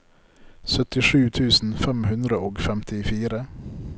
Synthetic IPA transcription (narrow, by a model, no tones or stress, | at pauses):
sœt̪ɪʂʉːt̪ʰʉːsn̩fɛmhʉnd̪ɾəoːɡfɛmt̪ʰɪfiːɾə